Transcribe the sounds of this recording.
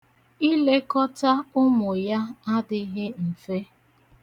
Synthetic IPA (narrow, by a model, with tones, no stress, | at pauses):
i˦le˦kɔ˦ta˦ʊ˦mʊ˨ja˦a˦dɪ˦ɣɪ˦m̩˨fe˦